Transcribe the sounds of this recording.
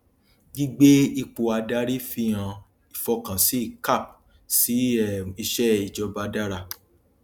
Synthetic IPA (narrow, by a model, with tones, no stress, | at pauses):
ɡi˦ɡ͡be˦i˧k͡po˨a˧da˧˦ɾi˦fĩ˦ã˧ | i˨fɔ˧kã˨si˦i˦˨ka˦˨p̚ | si˨˦i˧ʃɛ˦i˨d͡ʒɔ˧ba˧da˦ɾa˧˨